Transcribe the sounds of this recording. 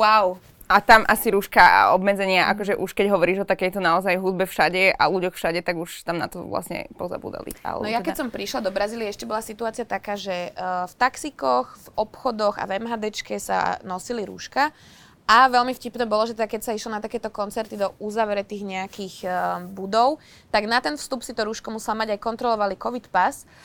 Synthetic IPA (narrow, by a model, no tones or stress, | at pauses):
waw | at̪amʔasiɾuʃkaɔbmɛd͡zɛɲɪaʔa̰kɔʒɛʔuʃkɛɟɦɔʋɔɾiːʒɔt̪akɛjt̪ɔnaɔzajɦud̪̚bɛfʃaɟɛʔa̰luɟɔxfʃaɟɛt̪aɡuʃt̪amna̰t̪ɔ̰ʋla̰sɲɛ̰pɔza̰bṵːd̪a̰lḭa̰lɛ̰nɔjakɛsɔmpɾiʃlad̪ɔbɾaziːliaɛʃcɛbɔlasit̪uaːt͡siat̪akaːʒɛft̪aksikɔxɣvɔpxɔd̪ɔɣa̰vɛmɦaːd̪ɛt͡ʃkɛsa̰nɔsiliɾṵʃka | ʔaʋɛlmifcipnɛːbɔlɔʒɛt̪ɛd̪akɛcsaiʃlɔnat̪akɛːt̪ɔkɔnt͡sɛɾt̪id̪ɔʔuzaːʋɛɾɛt̪iːɣɲɛakiɣbud̪ɔʊ | t̪aɡnat̪ɛnfst̪upsit̪ɔɾuːʃkɔmusɛlamaɟajkɔnt̪ɾɔlɔʋalikɔʋit̪pas